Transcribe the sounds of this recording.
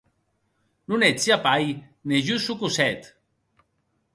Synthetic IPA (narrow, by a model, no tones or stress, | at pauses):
nunet͡siapaj | neʒusukusɛt̪